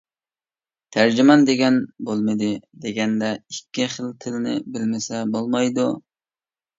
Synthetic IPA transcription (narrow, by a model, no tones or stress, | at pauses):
t̪ʰæɾd͡ʒimɑnd̪eɡʲɛnbolˠmɨd̪ɪd̪eɡʲɛnd̪ɛikʲːiχəlt̪ʰɪlɪnɪ̰bɪlmɪsɛbolˠmɑjd̪u